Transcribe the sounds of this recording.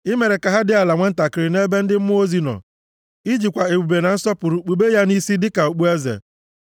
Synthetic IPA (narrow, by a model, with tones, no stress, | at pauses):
ɪ˦me˨ɾe˨ka˨ɦa˦dɪ˦a˨la˨ŋʷe˦n̩˦ta˨kɪ˨ɾɪ˨ne˦be˦n̩˦dɪ˦m̩˦m˦o˦zi˦nɔ̰˨ | i˦d͡ʒi˨kʷa˨e˨ɡ͡bu˨be˨na˨n̩˦sɔ˦pʊ˨ɾu˨k͡pu˨be˦ja˦ni˦si˦dɪ˦ka˨o˨k͡pu˦e˦zḛ˨